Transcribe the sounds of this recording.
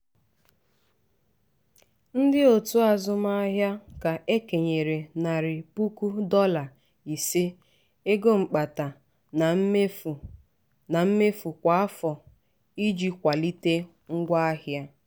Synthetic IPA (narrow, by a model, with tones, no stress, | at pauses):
n̩˦dɪ˦o˨tu˦a˨zʊ˦ma˦a˦ɦja˦ka˨ʔe˦ke˨ɲe˨ɾe˨na˨ɾɪ˨pu˦ku˦dɔ˦la˨ | i˨se˦ | e˦ɡo˦ŋ͡m̩˨k͡pa˨ta˨˦˨ | na˨m̩˦me˦fu˨kʷa˨a˦fɔ˨ | i˦d͡ʒi˦kʷa˨li˦te˦ | ŋ̩˦ɡʷa˦a˦hja˦